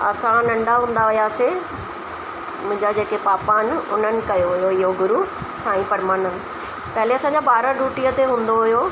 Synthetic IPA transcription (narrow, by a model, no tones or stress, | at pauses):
ɐ̰sãnɐ̃ɳɖaɦũːn̆d̪aʋʊjaːse | mʊ̃ɦɪ̃ɲd͡ʑad͡ʑeːkepaːpaːnʊ̰n̤ənɪ̆kɐjoɦʊjoɪɦoɡʊɾu | sãːĩpɐɾmaːnənɪ̆ | pɐɦleɐsãːɲd͡ʑabaːɾəɖuːʈiət̪eɦũːnd̪oɦʊjo